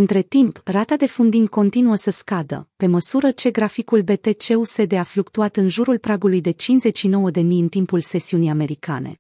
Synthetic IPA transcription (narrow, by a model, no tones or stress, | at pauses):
ɨnt̪ɾe̞t̪imprat̪ad̪e̞fund̪inko̞nt̪inuəsəskad̪ə̰pe̞məsuɾət͡ʃe̞ɡɾafikulbe̞t̪e̞t͡ʃe̞use̞d̪eaflukt̪uat̪ɨnʒuɾulpɾaɡulujd̪e̞t͡ʃinze̞t͡ʃʃino̞wəd̪e̞mijɨnt̪impulse̞siunijame̞ɾika̰ne̞̰